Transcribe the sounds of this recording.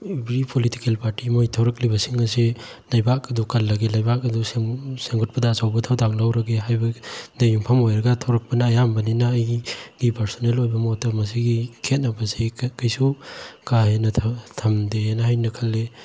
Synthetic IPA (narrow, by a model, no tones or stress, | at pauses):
ibɾipʰoliti̥kelpʰaɾtimojtʰawɾɐk̚libɐsiŋɐse | lajbak̚ɐdukʰɐlːɐɡelajbakɐduseseŋɡɔt̚pɐdaːsawbɐtʰawdaŋlawɾɐɡeɦajbɐdajuŋpʰɐmojɾɐɡatʰowɾɐk̚pɐnɐːjambɐninaːjɡ̥ipɐɾsonelojbɐmotːɐmɐs̬iɡikʰet̚nɐbɐsikajsukaɦenɐtʰɐmdenɐhajnɐkʰɐlːe